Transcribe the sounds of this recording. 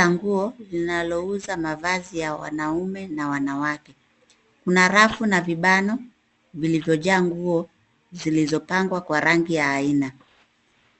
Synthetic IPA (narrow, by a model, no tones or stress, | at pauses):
aŋɡuɔlinalɔuzamavazijawa̰naumɛnawanawakɛ | kunaɾafunaviɓanɔ | vilivjɔʄaːŋɡuɔ | zilizɔpaŋɡwakwaɾaŋɡijaːina